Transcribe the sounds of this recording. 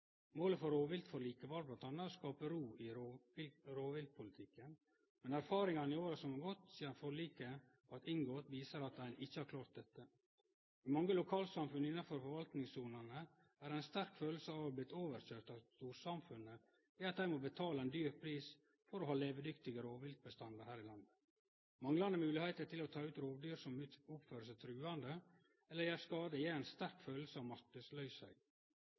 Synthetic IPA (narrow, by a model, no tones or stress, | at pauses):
moːləfɔɾoːʋɪlt̪fɔɾɭiːkəʋɑɾblɑnt̪ʰɑnːəɾɔskɑːpəɾuːɪɾoɪɾoːʋɪlt̪̚pʰʊlɪt̪ʰɪkːən | mɛnæɾfɑːɾɪŋɑnɪoːɾəsɔmɑɡɔt̪siːɑnfɔɭiːkə | ɑt̪ɪŋɡoːt̪ʋiːsəɾɑt̪æɪnɪçːəhɑɾkʰlɑːɾt̪̚d̪ɛt̪ːə | ɪmɑŋːəlʊkʰɑːlsɑmfʉnəɪnːɑnfɔɾfɔɾʋɑlt̪nɪŋsuːnənə | æːɾæɪnst̪æɾkføːl̩səɑʋblɪt̪ːoːʋəɾçøːɾt̪ɑʋst̪uːɾsɑmfʉnːə | jæɑt̪̚d̪æɪmobət̪ʰɑːləæɛnd̪yːɾpʰɾiːs | fɔɾoːɦɑːleːʋəd̪ʏkt̪ɪɡəɾːʋɪlt̪̚bəst̪ɑnd̪əɾhæːɾɪlɑnd̪ə | mɑŋlɑnd̪əmʉːlɪhæɪt̪əʈʰɪlot̪ʰɑːʉːt̪ɾoːʋd̪yːɾsɔmʊpføːɾəsət̪ʰɾʉːɑnd̪ə | ɛlːəɾjæːɾskɑːd̪əjæːæɪnst̪æɾkføːll̩səɑʋmɑt̪ʉslœʏshœɪ